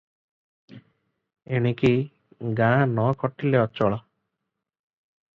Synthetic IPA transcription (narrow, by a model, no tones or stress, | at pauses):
eɽ̃eki | ɡãnɔkɔʈileɔt͡ʃɔɭɔ